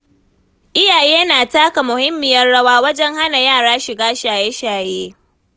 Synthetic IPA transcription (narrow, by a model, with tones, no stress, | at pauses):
ʔɪ˦jaː˨jeː˦naː˨taː˦ka˨mʊ˨hɪ˦mːɪ˨jɐ˦rɽɐ˦waː˦wɐ˦d͡ʒɛ˦ŋha˦na˨jaː˦˨ɽaː˦ʃɪ˨ɡaː˦ʃaː˨jeː˦ʃaː˨jeː˦